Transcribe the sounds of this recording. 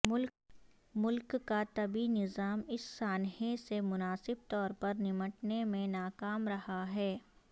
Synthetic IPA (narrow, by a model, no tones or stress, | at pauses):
mʊl | mʊlkːat̪ɐbinɪzaːmɪsːaːnɦẽsemʊnaːsɪb̚t̪ɔːɾpɐɾnɪməʈnemẽnaːkaːmɾɐhaɦɛː